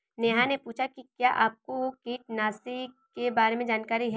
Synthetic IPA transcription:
neːɦãnepuːt͡ʃʰakikjaːʔaːp̚kokiːʈ̚naːsi | kebaːɾemẽd͡ʒaːnkaːɾiɦɛː

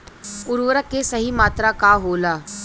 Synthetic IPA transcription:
ʊɾʋəɾəkesəɦimaːt̪ɾakaɦoːlaː

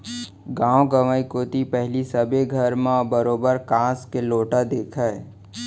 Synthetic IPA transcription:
ɡãːõɡəʋaːikoːt̪ipɛɦlisɐbeɡʱəɾmãbəɾoːbəɾkãːskeloːʈad̪eːkʰəe

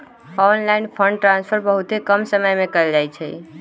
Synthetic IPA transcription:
ɔnlaɪnpʰəɳɖ̚ʈɾãnspʰəɾbəɦut̪ɦekəmsəməjmẽkəld͡ʒajt͡ʃʰɛ̰

